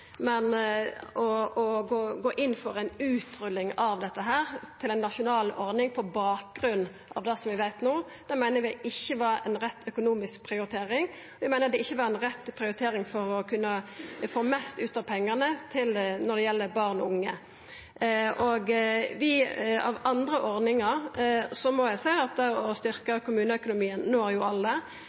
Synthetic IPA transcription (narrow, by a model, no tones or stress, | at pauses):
mɛn | ɔɔɡoːɡoːʔɪnːfɔɾæɪnʉːt̪ɾʉlːɪŋɑʋd̪ɛt̪ːəɦæːʁt̪ʰɪlɛɪnːɑʃʊnɑːlɔɾnɪŋpʰɔbɑːk̚ɡɾʉnː | ʔɑ̰ʋd̪ɛsɔmʋɪʋæɪt̪noː | d̪̥æmæɪnəɾʋɪʔɪçːəʋɑɾɛ̰nɾɛt̪ːœkʊnuːmɪsk̚pʰɾɪʊɾɪt̪ʰeːɾɪŋ | ʋɪmæɪnəʁd̪ɛɪçːəʋɑɾɛnɾɛt̪ːpʰɾɪʊɾɪt̪ʰeːɾɪŋfɔɾɔkʰʉnːəfoːmæst̪ʉːt̪ɑpʰɛŋːənət̪ʰɪlnɔʁd̪ɛjɛlːəbɑʁnɔʊŋːə | ʔɔɡʋɪɑ̰ʋɑnd̪ʁəʔɔʁnɪŋɑɾsɔmɔjæɪsæɪɑt̪̚d̪ɛɔst̪ʏɾkəkʰʊmʉːnəœkʊnʊmiːənnoːæjʊɑlːə